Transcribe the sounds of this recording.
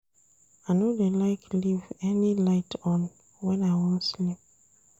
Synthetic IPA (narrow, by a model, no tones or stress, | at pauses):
aɪnodelaɪklivɛnilaɪtʰɔ̃n | wɛ̃naɪwɔ̃slip̚